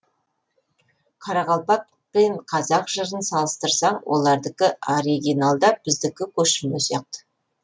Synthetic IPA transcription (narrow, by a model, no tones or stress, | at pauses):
qʰɑɾɑʁɑlˠpɑt̪̚ | peɴqʰɑzɑqʒ̥əɾənsɑlˠəst̪əɾsɑɴwʔo̞̰lˠɑɾd̪əkʲɪoɾiɡʲijnalˠd̪ɑb̥ɪzd̪ɪkʲɪkʲʰɵʃɪmmesijɑq̚t̪ə̥